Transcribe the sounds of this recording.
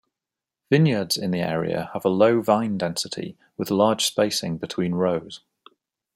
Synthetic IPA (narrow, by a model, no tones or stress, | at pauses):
vɪ̃njədz̥ɪ̃nðiɛ̰ːɹḭə̰əvələʊvãɪ̃ndɛ̃nsɪtʰḭ | wɪð̥lɑːd̥ʒ̥speɪsɪ̰̃ŋbɪtʰw̥ĩːnɹəʊz̥